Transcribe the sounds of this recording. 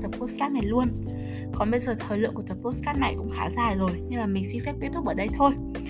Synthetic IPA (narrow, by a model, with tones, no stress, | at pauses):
t̪ə˨˩p̚po˦˥skaː˦˥t̚na˨˩jlu˧ən | kɔ˨˦ɓə˧jzəː˨˩t̪ʰəː˨˩lɨ̰˧˨kət̪ə˨˩p̚po˦˥skaː˦˥t̚na˨˩jkwŋ͡mxaː˨˦zaː˨˩jzo˨˩jɲɨ˧ŋlaː˨˩mï˨˩ŋ̟si˧ŋfɛ˦˥p̚kːi˦˥t̪ːʊ˦˥k͡p̚əː˧˩ɗə˧jt̪ʰo˧j